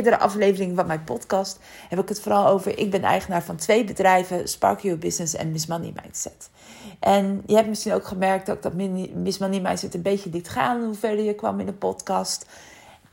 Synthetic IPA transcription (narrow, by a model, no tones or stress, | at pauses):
ɹdəɾəʔɑ̰flejvərɪŋəvɑnmɛjnpɔtkɑst | hɛbɪkɦətfoːɾɑlˠowvəɹʔɪ̰ɡ̚bɛnɛ̰jχənaːɹvɑntʋejbədrɛjvəspɑ̰ɹkjubɪsnəsɛ̰nmɪsmɑnḭma̰jnsɛt | ʔɛnjəɛptmɪsχinowkχəmɛɹk̚dɑtɪɡ̚dɑtmɪsmɑnimajnsɛtənbejcəlitχaːnɦuvɛɹdəjəkʋɑ̰mɪndəpɔtkɑst